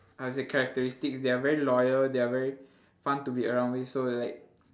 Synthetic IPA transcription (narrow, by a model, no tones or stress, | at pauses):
awɔsekʰɛɹɛk̚təɹistiksdeavɛɹilɔjəldeavɛɹi | fãntubiəɹãw̃nwisolaɪk̚